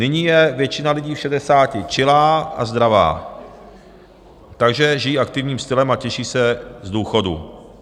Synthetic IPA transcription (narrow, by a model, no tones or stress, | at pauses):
nɪɲiːjɛvjɛt͡ʃɪnalɪɟiːfʃɛdɛsaːcɪt͡ʃɪlaːa̰zd̪ɾava̰ː | t̪aɡʒɛʒɪjiːʔakt̪ɪvɲiːmst̪ɪlɛmacɛʃiːsɛzduːxo̞dṵ